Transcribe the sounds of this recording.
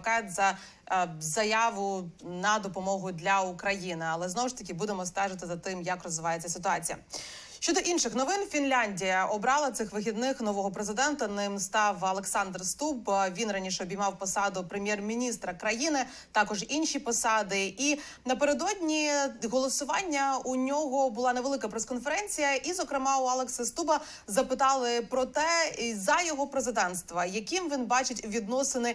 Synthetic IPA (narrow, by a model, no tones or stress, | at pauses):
kɑjtʲzɐ | zɐjɑʋʊnɐd̪ɔpɔmɔɦʊd̪lʲɐukɾɐjinɪɐlˠɛznɔwʊʃt̪ɐkʲibud̪emɔst̪ɛʒɪt̪ɪzɐt̪ɪmjɐkrɔzʋɪʋɑjet͡sʲːɐsɪt̪ʊɑt͡sʲijɐ̰ | ʃʃʲt͡ʃɔd̪ɔʔinʃɪxnɔʋɪnfʲinlʲanʲdʲijɐʔɔbɾɑlˠɐt̪sɪxʋɪxʲid̪nɪxnɔʋɔɦɔpɾezɪd̪ɛnt̪ɐnɪmst̪ɑwɐlˠeksɑnd̪rst̪ubʋʲinɾɑnʲiʃɛɔbʲijmɑwpɔsɑd̪ʊpɾemʲjɛrmʲinʲist̪ɾɐkɾɐjinɪ | t̪ɑkɔʒinʲʃipɔsɑd̪ɪi | nɐpeɾed̪ɔdʲnʲiɦɔlˠɔsʊʋɑnʲːɐunʲɔɦɔbʊlˠɑneʋe̞lˠɪkɐpɾeskɔnfeɾɛnʲt͡sʲijɐʔizɔkɾɪmɑʊɑlˠeksɐst̪ubɐ | zɐpɪt̪ɑlˠɪpɾɔt̪ɛzɐjɔɦɔpɾezɪd̪ɛnst̪ʋɐjɐkimʋʲinbɑt͡ʃɪtʲʋʲid̪nɔsɪnɪ